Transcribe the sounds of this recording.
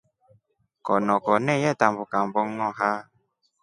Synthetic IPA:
kɔnɔkɔnɛjɛtam̩bʊkam̩bɔŋŋɔɦa

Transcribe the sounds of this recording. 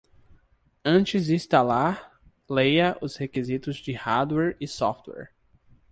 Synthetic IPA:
ɐ̃t͡ʃɪzd͡ʒĩst̪alaɾ | lejɐʔʊshekizit̪ʊzd͡ʒɪhaɾd̪wɛɾɪsɔft̪wɛ̰ɾ

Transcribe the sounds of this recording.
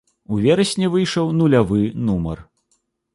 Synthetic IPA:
uvʲɛɾɐsʲnʲɛvɨjʂɐwnulʲavɨnumɐ̰r

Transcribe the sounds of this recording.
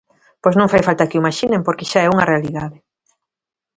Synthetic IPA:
pojsnõŋfajfalt̪akɪumaʃinẽmpoɾkɪʃaɛuŋɐrealiðaðɪ

